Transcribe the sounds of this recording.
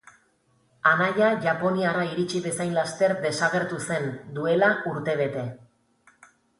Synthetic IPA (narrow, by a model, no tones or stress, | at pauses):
anaʎaʝapo̞niaɾaiɾit͡ʃiβe̞sajnlast̪e̞ɾd̪e̞saɣe̞ɾt̪use̞nd̪ue̞laʔuɾt̪e̞β̞e̞t̪e̞